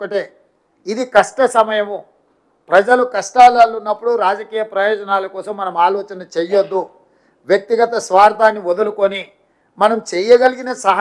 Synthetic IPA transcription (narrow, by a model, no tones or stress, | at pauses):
ɐʈeː | id̪ikɐʂʈɐsɐmɐjɐmu | pɾɐd͡ʒɐlukɐʂʈaːlɐlunːɐpːuɽuɾaːd͡ʒɐkiːjɐpɾɐjɔːd͡ʒɐnaːlɐkɔːsɐmːɐnɐmaːlɔːt͡ʃɐnɐt͡ʃejod̪ːu | ʋjɐk̚t̪iɡɐt̪ɐsʋaːɾt̪ʰaːnːiʋɔd̪ɐlukoni | mɐnɐmt͡ʃɛjɐɡɐliɡinɐsɐɦ